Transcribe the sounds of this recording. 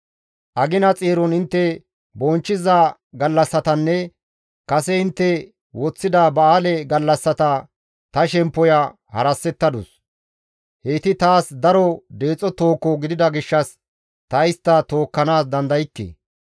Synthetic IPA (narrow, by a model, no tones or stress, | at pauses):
ʔɐɡɪnɐt͡sʼeːɾɔnɪnt̪ːɛ | bɔnt͡ʃːɪza | ɡɐlːɐsːɐt̪ɐnːɛ | kɐsɛɪnt̪ːɛ | wɔt͡sːɪd̪abɐaːlɛɡɐlːɐsːɐt̪ɐ | t̪ɐʃɛmpːɔjɐ | hɐ̰ɾɐsːɛt̪ːɐd̪ʊs | heːt̪ɪt̪aːsd̪ɐɾɔd̪e̞ːt͡sʼːɔt̪o̞ːkːɔɡɪd̪ɪd̪ɐɡɪʃːɐs | t̪ɐɪst̪ːɐt̪o̞ːkːɐnaːs̬d̪ɐnd̪ɐjɪkːḛː